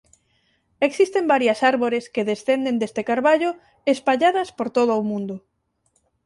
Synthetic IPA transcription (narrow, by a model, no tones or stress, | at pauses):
eksist̪embaɾjasaɾβoɾeskeðesθend̪end̪est̪ekaɾβaʎʊ | espaʎaðɐspoɾt̪oðʊomũnd̪ʊ